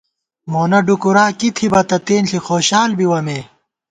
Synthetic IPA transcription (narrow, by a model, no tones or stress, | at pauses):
moːnɐɖukuɾaːkit̪ʰibɐt̪ɐt̪eːnɬixoːɕaːlbiwɐmeː